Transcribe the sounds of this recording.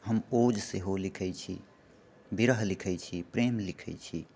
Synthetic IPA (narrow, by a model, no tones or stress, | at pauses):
ɦəmod͡ʒseɦolikʰɛt͡ʃʰḭ | biɾəɦlikʰɛjt͡ʃʰipɾemlikʰɛt͡ʃʰi